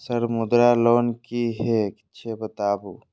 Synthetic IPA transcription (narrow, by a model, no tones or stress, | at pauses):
səɾmʊd̪ɾaloːnkiɦekɪ̥ʃʰebət̪aːbuː